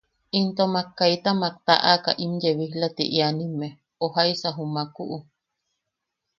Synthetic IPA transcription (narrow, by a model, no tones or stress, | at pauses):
int̪omakːajt̪amak̚t̪aʔaka̰ʔimjeβihlat̪ḭʔianĩme | ohaisaɦumakuʔu